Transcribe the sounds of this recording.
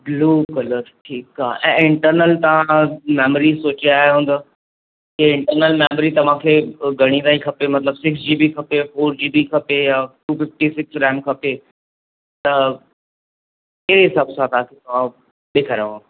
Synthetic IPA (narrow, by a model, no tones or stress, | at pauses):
bluːkələt̪ʈʰiːkaːɦʔɛ̰̃ːɪ̃ɳʈəɾnəlt̪ɐʋ̤ãmɛːməɾisoːt͡ɕiaːɦeɦũːn̆d̪a | keɪ̃ɳʈəɾnəlmɛːməɾit̪ɐʋ̤ãkʰeːɡʱɐɽ̃ĩd̪aːĩkʰɐpemɐt̪ləbsɪksd͡ʑiːbikʰɐpefoːɾd͡ʑiːbikʰɐpejaʈuːfɪfʈisɪksɾɛ̃ːmkʰɐpe | t̪ɐ | keɦɪsaːbsãt̪ɐãkʰet̪ɐʋ̤ã | ɓeːkʰəɾaʋã